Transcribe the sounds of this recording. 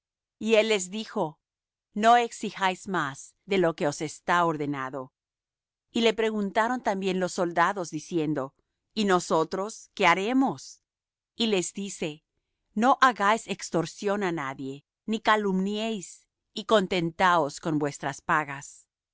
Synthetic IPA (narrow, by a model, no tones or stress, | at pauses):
ie̞lːe̞zðixo̞ | no̞e̞ksixajzmaz̥ðe̞lo̞ke̞o̞se̞st̪aoɾðe̞naðo̞ | ile̞pɾe̞ɣunt̪aɾo̞nt̪ambje̞nlo̞sːo̞ld̪aðo̞zðisje̞nd̪o̞ | ino̞so̞t̪ɾo̞ske̞aɾe̞mo̞s | ile̞zd̪ise̞ | no̞ʔaɣajsekst̪o̞ɾsjo̞nanaðje̞ | nikalumnjejs | iko̞nt̪e̞nt̪aosko̞nbwe̞st̪ɾaspaɣas